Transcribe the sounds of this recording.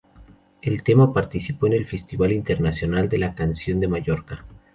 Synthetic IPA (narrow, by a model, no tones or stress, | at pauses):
e̞lt̪e̞mapaɾt̪isipo̞ene̞lfe̞st̪iβalint̪e̞ɾnasjo̞nald̪e̞lakansjo̞nd̪e̞maʝo̞ɾka